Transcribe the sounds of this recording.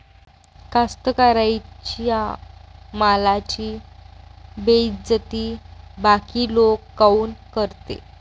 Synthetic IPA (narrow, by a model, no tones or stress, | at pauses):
kast̪əkaɾajt͡ɕja | malat͡ɕiː | bed͡zət̪iːbakiːlokːauːnkəɾt̪ḛ